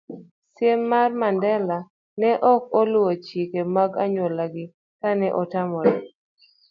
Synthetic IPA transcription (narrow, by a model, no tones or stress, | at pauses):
sjemːarmandɛla | nɛʔɔk̚ɔlʊwot͡ʃikemaɡaɲwolaɡɪ | kanɛʔɔtamɔɾɛɔ